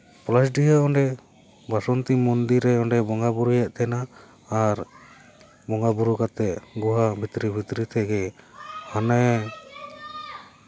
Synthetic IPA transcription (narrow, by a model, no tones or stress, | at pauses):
plasɖiɦaɔɳɖɛ | basɔnt̪imɔnd̪iɾɛɔɳɖɛbɔŋɡabuɾujɛʔt̪ʰɛnaː | ɾ | bɔŋɡabuɾukat̪ɛʔɡuɦabʱit̪ɾibʱit̪ɾit̪ʰɛɡɛhanɛ